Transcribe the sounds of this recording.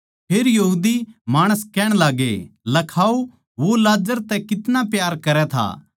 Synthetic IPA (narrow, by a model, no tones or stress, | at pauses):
pʰeːɾjɐɦuːd̪imaːɽ̃əskɛːɽ̃laːɡḛlɐkʰaːo | ʋolaːd͡ʒəɾt̪ɛkɪt̪napjaːɾkɐɾɛt̪ʰa̰ː